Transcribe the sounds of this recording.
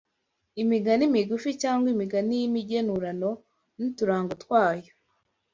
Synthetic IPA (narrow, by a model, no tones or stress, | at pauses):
imiɡanimiɡuficaːŋɡwimiɡanijimiɟenuɾano̞ | nituɾaːŋɡotwaːjo